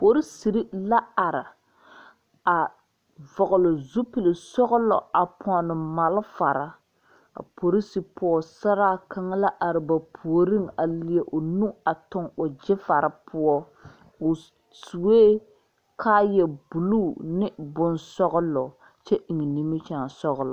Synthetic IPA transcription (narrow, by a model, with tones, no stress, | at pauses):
po˨ɾi˦si˨ɾi˦la˦a˨ɾɪ˨ | a˨ | vɔ˨ɣʊ˨lʊ˨zu˦pi˨lɪ˨sɔ˦ɣʊ˦lɔ̰˨a˨pʰɔ˨nɨ˨ma˨lfa˨ɾa˦ | a̰˨po˨ɾi˦si˨pɔ˦ɔ˦˨sa˦ɾaː˦ka˦ŋa˦la˦ʔa˨ɾɪ˨ba˨pʰu˨o˨ɾi˦ŋa˨lɪ˨ɛ˨ʔʊ˨nu˦a˨tʊ˦ŋʊ˨d͡ʒɪ˦fa˨ɾa˦pʰʊ˦ɔ˦ | ʊ˨ | su˨weː˦ | kʰaː˦jɛ˨bu˨luː˦nɪ˦bʊ˨nsɔ˦ɣʊ˦lɔ˨ | t͡ʃɛ˦ʔɪ˨ŋɛ˨ni˦mɪ˦t͡ʃa˦˨ŋ˨sɔ˦ɣʊ˦l